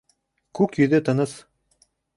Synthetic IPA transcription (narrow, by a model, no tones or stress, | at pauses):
kʉkjɵ̆ðɵt̪ɤ̆nɤs